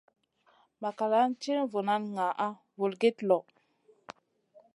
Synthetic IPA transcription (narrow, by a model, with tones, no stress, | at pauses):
ma˨ka˨la˦nt͡ʃe˦nvo˨na˦nŋa˨ʔa˦ | vu˨lɡe˦tlɔ˨